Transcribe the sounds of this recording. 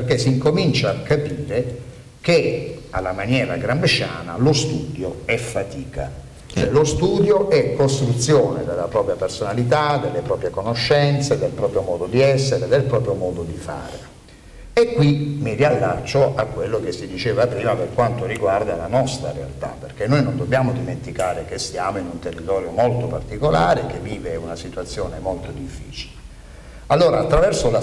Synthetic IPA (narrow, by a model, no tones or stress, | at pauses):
perk̟esːiŋkomint͡ʃaːkːapiːɾe | kea̰lːamanjɛːɾa̰ɡɾambeʃa̰ːna̰lost̪uːd̪joɛfːat̪iːka̰ | t͡ʃɛlost̪uːd̪joʔɛkːost̪ɾut̪sːjoːned̪elːapɾɔːpɾjapersonalit̪ad̪elːepɾɔːpɾjekonoʃːɛnt̪sed̪elpɾɔːpɾjomɔːd̪od̪iɛsːeɾed̪elpɾɔːpɾjomɔːd̪od̪ifa̰ːɾe | ekːwimirialːat͡ʃːoʔakːwelːok̟esːid̪it͡ʃeːvapɾiːmaperkwant̪oriɡward̪alanɔst̪ɾa̰ɾea̰lt̪a̰pːerk̟enːojnond̪obːjaːmod̪iment̪ikaːɾek̟esjaːmoinunt̪erːit̪ɔːɾjomolt̪opart̪ikolaːɾek̟evːiːveunasit̪wat̪sːjoːnemolt̪od̪ifːḭːt͡ʃile | alːoːɾaːt̪ːɾavɛrsola